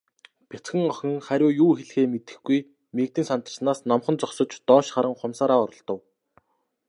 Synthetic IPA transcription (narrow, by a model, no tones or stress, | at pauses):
pʲet͡sxɘ̆ŋɔxʲɪ̆ŋχæɾʲʊːjuːxeɮxeːmet̪ɘ̆xɡuj | mek̚t̪iːnsan̥t̪ə̆rsnaːsnɔmχɞ̆nt͡sɔksɞ̆t͡ɕt̪ɔːʃχaɾə̆ŋχʊmsaːɾaːɔɾɞ̆ɮt̪ɞ̆w